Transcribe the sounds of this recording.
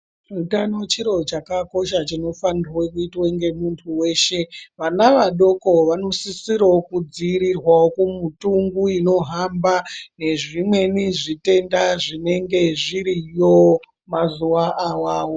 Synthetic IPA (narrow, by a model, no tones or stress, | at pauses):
utano̞t͡ʃiɾo̞t͡ʃakako̞ʃat͡ʃino̞fanirwekuitweŋɡe̞muntʰuwe̞ːʃe̞ʋanaʋaɗo̞ko̞ʋano̞sisiɾaokud͡ziːɾirwawokumutuŋɡuino̞ɦambane̞ʐimwe̞niʐite̞ndaʐine̞ŋɡe̞ʐiɾijo̞ | mazuʋaʔawaːwo